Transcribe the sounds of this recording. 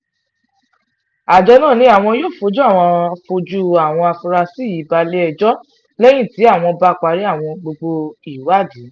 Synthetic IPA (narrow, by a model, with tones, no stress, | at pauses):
a˨d͡ʒɛ˧nãː˦˨nĩ˧˦a˨w̃ɔ̃˧joː˦˨fo˧d͡ʒu˦a˦˨w̃ɔ̃˧fo˧d͡ʒu˦a˨w̃ɔ̃˧a˧fũ˧ɾa˧si˦˨ji˨˦ba˧le˦ɛ˧˨d͡ʒɔ˦ | lɛ˦j̃ĩ˦˨ti˨˦a˦˨w̃ɔ̃˧ba˧˦k͡pa˧ɾi˨˦a˦˨w̃ɔ̃˧ɡ͡bo˧ɡ͡bo˧i˨wa˦˨di˨˦